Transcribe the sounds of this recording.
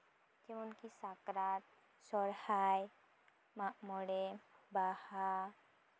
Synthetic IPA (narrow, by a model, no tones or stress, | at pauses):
kɛmonkisakɾaɾ | sɔɾhaj | maʔmɔɽebaha